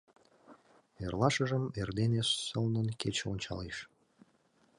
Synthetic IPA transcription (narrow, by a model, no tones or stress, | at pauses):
erlˠɑʃəʒə̆merd̪eneʃsəlnənket͡ɕonʲt͡ɕɑ̰leʃ